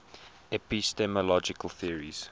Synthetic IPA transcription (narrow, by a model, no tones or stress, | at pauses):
ɛpistɛməlɔd͡ʒɪkəlˠθiəɹiz̥